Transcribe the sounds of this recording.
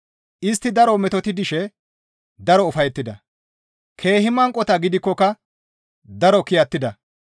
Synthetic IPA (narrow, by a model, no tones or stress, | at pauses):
ʔɪst̪ːɪd̪ɐɾɔmɛt̪ɔt̪ɪd̪ɪʃɛ | d̪ɐɾɔʊfɐjɛt̪ːɪd̪ɐ | kʰe̞ːhɪmɐŋkʼːɔt̪ɐɡɪd̪ɪkːɔkɐ | d̪ɐɾɔkɪjɐt̪ːɪd̪ɐ